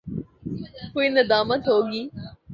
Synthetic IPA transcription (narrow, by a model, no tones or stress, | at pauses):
koːinɐd̪aːmət̪ɦoːɡiː